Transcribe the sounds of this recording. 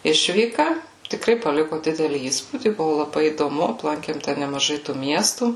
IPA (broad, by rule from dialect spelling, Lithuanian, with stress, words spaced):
ˈɪʃʲʋʲiːkɐ tʲɪkˈrɐɪ pɐˈlʲɪkʊ ˈdʲɪdʲɛlʲiː ˈiːspuːdʲiː ˈbʊʋʊ lˠɐˈbɐɪ iːdoːˈmʊ ɐpˈlˠɐŋʲkʲeːm tʲɛn nʲɛmɐˈʒɐɪ tuː ˈmʲiɛstuː